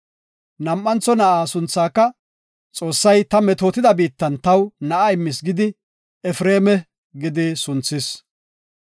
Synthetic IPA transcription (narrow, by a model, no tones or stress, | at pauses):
nɐmʔːɐnt͡sːɔnɐʔaːsʊnt͡sːaːkːɐ | t͡sʼo̞ːsːɐjt̪ɐmɛt̪oːt̪ɪd̪ɐbiːt̪ːɐnt̪ɐwnɐʔaɪmːɪsɡɪd̪ɪ | ɛfɾe̞ːmɛ | ɡɪd̪ɪsʊnt͡sːɪs